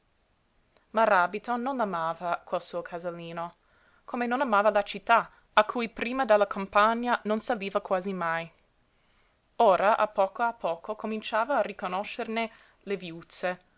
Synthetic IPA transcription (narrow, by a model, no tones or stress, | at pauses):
marabit̪ononːamaːvakwelsuːokʰazalːiːno | kʰomenonamaːvalat͡ʃit̪ːa | akʰuːjpɾiːmad̪alːakʰompaɲːanonsaliːvakwaːzimaj | oːɾaʔa̰pːɔːkoapʰːɔːkokomint͡ʃaːvaːrikonoʃːerne | levjut̪se